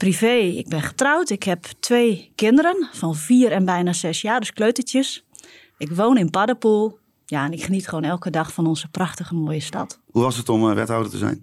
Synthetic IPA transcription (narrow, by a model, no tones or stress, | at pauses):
priveːɪ̰ɡ̚bɪnχə̥trawtɪkhɛptʋeːkɪndəɾənfɔnviːəɾɛnbɛjnazɛsjaːdəskløːtətjəs | ɪkʋoːnɪnpadəpulˠ | jaɛnɪkχənitχəʋoːnɛlˠkədɑxfɔnɔnzəpraxtəɣəmoːjəstɑ̰thuʋɔsətɔmʋɛ̰tawdətəzɛ̰jn